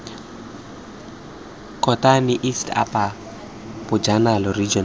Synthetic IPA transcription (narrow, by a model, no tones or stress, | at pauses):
kʼɔtʼanɪʔistʰa̰pʼa | b̥ʊd͡ʒanalɔrid͡ʒɔn